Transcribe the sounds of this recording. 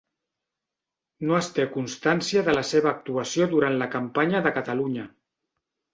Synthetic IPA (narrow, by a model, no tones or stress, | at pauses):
noəst̪ekunst̪ansiəðələseβəːk̚t̪uəsioðuɾant̪ləkəmpaɲəðəkət̪əluɲə